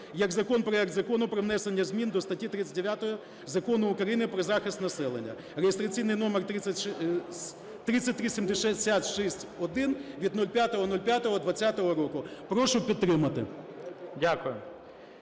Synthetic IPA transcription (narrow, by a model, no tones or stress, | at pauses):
jɐkzɐkɔnpɾɔjɛk̚d̪zɐkɔnʊpɾɔʋnɛsenʲːɐzʲmʲind̪ɔst̪ɐtʲit̪ɾɪt͡sʲɐt̚ʲd̪eʋʲjat̪ɔɦɔ | zɐkɔnʊʊkɾɐjinɪpɾɔzɑxɪst̪nɐsɛlˠenʲːɐ̰ | ɾejɪst̪ɾɐt͡sʲijnɪjnɔmert̪ɾɪɐ | t̪ɾɪt͡sʲːɐt̚ʲt̪ɾisʲimd̪eʃɛsʲat̪ʃisʲtʲɔd̪ɪnʋʲid̪̚nulʲpʲjat̪ɔɦɔnɔlʲpʲjat̪ɔɦɔd̪ʋɐt͡sʲːat̪ɔɦɔɾɔkʊpɾɔʃʊpʲidt̪t̪ːɾɪmɐt̪ɪ̰ | dʲakʊjʊ